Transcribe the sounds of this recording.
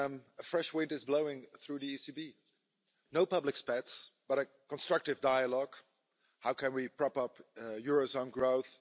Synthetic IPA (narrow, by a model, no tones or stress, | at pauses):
məfɹɛʃwɪ̃ntɨzbloʊɪ̃ŋθɹuðiisibi | noʊpʌblɨkspɛtsb̥ʌɾɨ | kə̃nstɹ̥ʌk̚tɨvdaɪəlɔɡ̥ | haʊkʰɨ̃nwipʰɹ̥ɑpʌpjʊɹozõnɡɹoʊθ